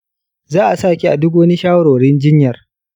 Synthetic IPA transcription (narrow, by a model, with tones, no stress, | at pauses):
zaː˦ʔa˨saː˦˨kʲi˨ʔa˨dʊ˦ɡwɐ˦ni˦ʃaː˦wɾoː˨ɽɪ˦nd͡ʒɪ˦ɲjɐ˨r